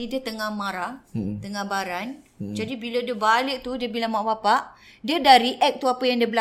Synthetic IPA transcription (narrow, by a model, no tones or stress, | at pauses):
idiət̪əŋahmãɾat̪əŋãhbaɾan | d͡ʒadibiladiəbalɪk̚t̪udiəbilamaʔbapaʔdiədaɾiʔɛk̚t̪uapajaŋdiəbəla